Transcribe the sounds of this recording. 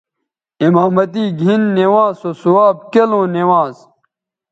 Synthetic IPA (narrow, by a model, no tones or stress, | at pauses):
imaːmɐt̪iːɡʱinːewãːsosuaːb̚kelõːnewãːz